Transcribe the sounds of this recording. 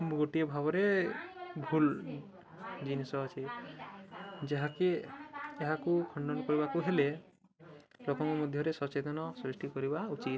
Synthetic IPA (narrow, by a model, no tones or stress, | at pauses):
mɡoʈijɔbʱabɔɾe | bʱul | d͡ʒinesɔːt͡ʃʰi | d͡ʒaɦakeeɦakukʰɔɳɖɔnkɔɾibakuɦele | lokɔŋkɔmɔd̪ʱjɔɾesɔt͡ʃed̪ɔnɔsɾisʈikɔɾibaut͡ʃit̪